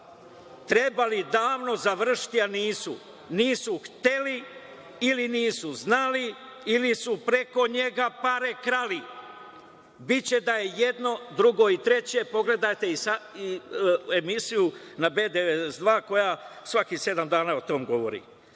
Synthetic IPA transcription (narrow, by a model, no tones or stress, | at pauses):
t̪ɾe̞balid̪aːʋno̞zaʋr̩ʃi̥t̪ianiːsṵ | niːsuxt̪eli | iliniːsuznali | ilisupɾe̞ko̞ɲe̞ɡapaɾekɾali | bit͡ɕe̞d̪aje̞je̞d̪no̞d̪ɾuɡo̞it̪ɾe̞t͡ɕe̞po̞ɡle̞d̪ajt̪e̞isaie̞misijunabe̞ːd̪eesd̪ʋaːko̞jasʋakise̞d̪amd̪aːnaot̪o̞mɡo̞ʋo̞̰ɾḭ